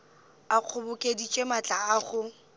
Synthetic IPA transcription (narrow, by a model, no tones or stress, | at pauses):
aq͡χʰʊbʊkʼedit͡ʃʼemat͡ɬʼaːχʊ